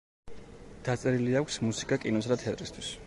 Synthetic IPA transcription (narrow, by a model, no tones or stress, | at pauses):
d̪̥at̪sʼɛɾiliakʷʰsmusi̥kʼakʼinɔsad̪at̪ʰɛat̪ʼɾist̪ʰwis